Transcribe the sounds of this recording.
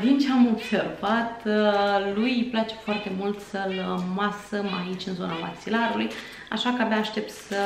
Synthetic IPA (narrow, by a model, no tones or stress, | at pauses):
d̪int͡ʃeamo̞bse̞rvat̪ | lujplat͡ʃe̞̥foart̪e̞mult̪səlmasəmait͡ʃʲɨnzo̞nava̰ksilaɾuluj | a̰ʃakəabaːʃt̪e̞p̚t̪sə